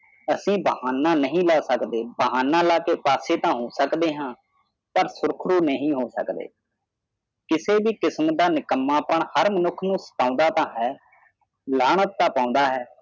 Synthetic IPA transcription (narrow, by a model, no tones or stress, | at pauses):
əsĩːbəɦaːnãːnəɦĩːlaːsəkd̪eːbəɦaːnãːlaːkeːpaːseːt̪ãːɦoːsəkd̪eːɦãː | pəɾsʊɾkʰɾuːnəɦĩːɦoːsə̰kd̪ḛː | kɪseːbiːkɪsmd̪aːnɪkəmːaːpəɳhəɾmənʊkʰːnũːsə̥ʈãːnd̪aːt̪ãːɦɛː | laːɳət̪ːaːpãːʊ̃nd̪aːɦɛː